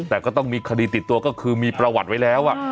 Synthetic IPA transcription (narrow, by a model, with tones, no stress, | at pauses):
t̪ɛː˨˩kɔː˥˩t̪ɔ˥˩ŋmiː˧kʰa˧diː˧t̪i˨˩t̪ːu˧ɐkɔː˥˩kʰɯː˧miː˧pɾa˧wa˨˩t̪̚wa˦˥jlɛː˦˥wʔa˨˩ʔ